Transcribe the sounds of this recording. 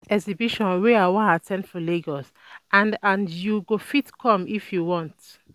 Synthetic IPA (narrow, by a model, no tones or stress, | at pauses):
ɛkzibiʃɔ̃nweawɔ̃natʰɛ̃ndfɔleɡɔs | ʔãndãndjuɡofitkʰɔ̃mifjuwɔ̃nt